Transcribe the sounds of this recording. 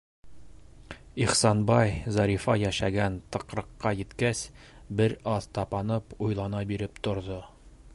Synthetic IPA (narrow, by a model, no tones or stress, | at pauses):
iχsɑnbɑjzɑɾʲifɑjæʃæɡænt̪ɤ̆qɾɤ̆qːɑjɘ̆t̪kæsbɘɾɑðt̪ɑpɑnɤpujlˠɑnɑbiɾɘpt̪ŏɾðo